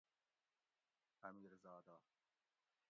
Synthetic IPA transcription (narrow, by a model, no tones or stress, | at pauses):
hɐmiːɾzɑːd̪aː